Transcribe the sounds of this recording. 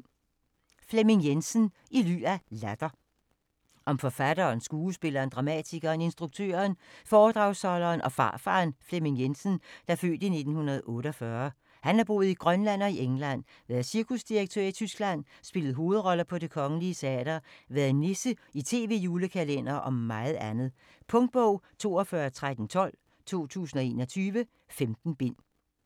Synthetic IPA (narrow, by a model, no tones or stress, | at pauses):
flemeŋjensən̩ | ily̰ːælæd̥ɐ | ʔɒ̽mfɒ̽fæd̥ɐːnsɡ̥uːsb̥e̝lɐːnd̥ʁɑ̈mæ̰t͡sʰiɡ̥ɐːne̝nsd̥ʁuɡ̥̚t͡sʰø̰ːɐnfɒːd̥ʁɑ̈ʊsɒlɐːnʔɒ̽fɑ̰̈ːfɑ̰̈ːnflemiŋjensən̩d̥ɑ̈fø̰ːd̥ine̝d̥n̩hunɐð̞̩ˠɔ̽ːɾəɒfɶɐ | hænæɐb̥o̝̰ːð̞̩ˠiɡ̥ʁɶnlæn̰ɒ̽iʔeŋlæn̰ | ʋæːɐðˠsiɐkʰusd̥iʁɐɡ̥̚t͡sʰøɐ̰it͡sʰysɡ̥læn̰sb̥e̝lð̩ˠɦo̝ːð̩ˠʁɒ̽ləpʰɒ̽ɾ̥e̝kʰɒ̽ŋəliəsʰeæ̰ːd̥ɐʋæɐðˠnesəit͡sʰe̝̰ːʋe̝̰juːləkʰælen̰ɐʔɒ̽mːɑ̈ɪð̞̩ˠænð̞̩ˠ | pʰɔ̽ŋd̥̚b̥ɔʊ̰t͡sʰo̝̰ːɒfɶːɐt͡sʰʁad̥n̩t͡sʰɒ̽l̰ | t͡sʰo̝̰ːt͡sʰṵːsn̩ɒ̽e̝ːnɒ̽t͡sʰyːʋə | femd̥n̩b̥en̰